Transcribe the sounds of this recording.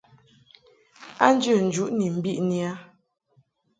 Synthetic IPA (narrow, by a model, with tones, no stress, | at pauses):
a˦n̩˦d͡ʒə˦˨n̩˨d͡ʒu˦ʔni˨m̩˨bi˦˨ʔni˦a˦